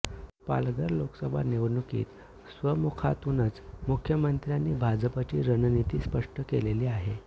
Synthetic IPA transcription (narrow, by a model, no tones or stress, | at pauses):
pa̰lɡəɾloksəbʱa̰neʋnukḭːt̪ | sʋəmukʰat̪unət͡smukʰjəmənt̪ɾjanːiːbʱad͡zəpat͡ɕiːɾənnit̪iːspəʂʈəkeleliːaɦe